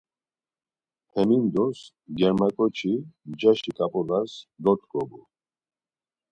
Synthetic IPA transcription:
t̪ʰɛmind̪ɔs | ɡɛɾmakʼɔt͡ʃʰimd͡ʒaʃikʼapʼɔlasd̪ɔt̪ʰʼkʼɔbu

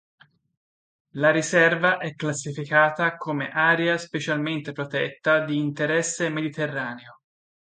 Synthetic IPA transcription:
laɾisɛrvaʔɛkːlasːifikaːt̪akʰomeʔaːɾeaspet͡ʃalment̪epɾot̪ɛt̪ːad̪iːnt̪eɾɛsːemed̪it̪erːaːneo

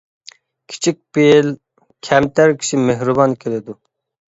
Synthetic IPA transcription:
kʲʰi̥t͡ʃʰik̚ʲpiel | kʲʰɛmt̪æɾkʲʰi̥ʃimeɦɾubɑnkʲʰelɪd̪u

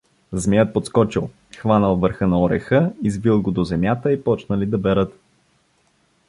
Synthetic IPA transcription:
zmʲɛət̪̚pot̪skɔt͡ʃilˠ | xvanəlˠvəɾxənɐɔɾɛ̰xəizvilˠɡod̪ozɛmʲjat̪əipɔt͡ʃnəlid̪ɐbɛɾət̪

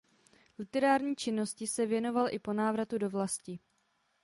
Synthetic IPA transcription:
lɪt̪ɛɾaːɾɲiːt͡ʃɪno̞scɪsɛvjɛno̞valʔɪpo̞naːvɾat̪udo̞vlascɪ

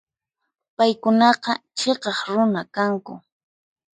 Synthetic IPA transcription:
pajkʊnɑqɑt͡ʃeqɑχɾʊnakaŋkʊ̰

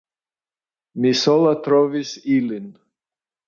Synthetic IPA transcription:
nisɔlˠat̪ɾɔvisilind̪

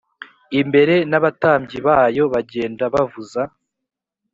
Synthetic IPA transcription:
imbe̞ɾe̞naβataːmɟiβaːjo̞βaɟe̞ːndaβavuza

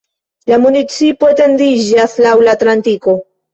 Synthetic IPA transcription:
lamunit͡sipo̞ete̞ndid͡ʒaslawlatlantiko̞

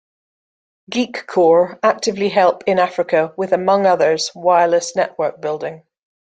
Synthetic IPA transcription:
ɡ̥ikʰɔːɹak̚tɪvliɦɛlˠp̚ɪ̃nafɹɪkʰəwɪðəmʌ̃ŋʌðə˞z̥waɪləsnɛʔwɜˑ˞k̚b̥ɪlˠdɪ̃ŋ

